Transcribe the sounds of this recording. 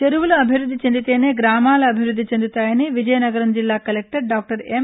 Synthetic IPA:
t͡ʃeɾuwulɐɐbʱiʋɾud̪ʱːit͡ʃend̪it̪e̞ːneːɡɾaːmaːlɐɐbʱiɾud̪ːit͡ʃend̪ut̪aːjɐniʋid͡ʒɐjɐnɐɡɐɾɐmd͡ʒilːaːkɐlek̚ʈɐɾɖaːk̚ʈɐɾem

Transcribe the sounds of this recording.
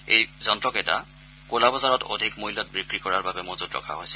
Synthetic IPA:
ḛjzɔntɹɔkɛta̰ | kolabɔzaɹɔto̰dʱikmoɦilɔt̚bɹikɹikɔɹaɹbabɛmozudɹɔ̰kʰa̰ɦojsɛ

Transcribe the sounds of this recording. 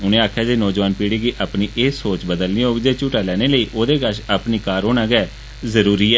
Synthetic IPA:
ʊnẽːaːkʰjaːd͡ʒeːnɔːd͡ʒʋaːnpiːɽiːɡiːʔaːpniːʔeːsoːt͡ʃbəd̪əlniːɦoːɡd͡ʒeːt͡ʃuːʈaːlɛːneːləiːʔoːd̪eːkəʃaːpniːkaːɾɦoːnãːɡɛː | zəɾuːɾiːɛː

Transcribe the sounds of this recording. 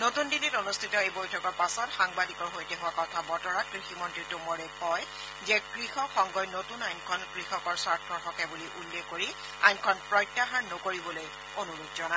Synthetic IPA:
notundinitonustʰitɔejbojtʰɔkɔɹpasɔtxaŋbadikɔɹɦojtɛɦʊwakɔtʰabɔtɔɹat̚kɹiximɔntitʊmɔɹeɔj | zɛkɹixɔkʰɔŋɡɔjnotunajnkʰɔnkɹixɔkɔɹsaɹtʰɔxʰɔkɛbuliʔulːexkoɹi | ajnkʰɔnpɹɔjtːaɦaɹnokoɹibɔloj | onuɹukzɔna

